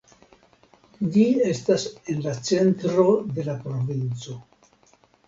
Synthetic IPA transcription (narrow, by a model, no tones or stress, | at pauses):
d͡ʒie̞stase̞nlat͡se̞ntɾo̞d̪e̞lapɾo̞vint͡so̞